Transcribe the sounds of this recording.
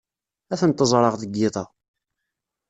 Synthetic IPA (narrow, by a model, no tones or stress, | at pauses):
æθənt̪ːəzˤɾˤɑʁðəɡːɪðˤɑ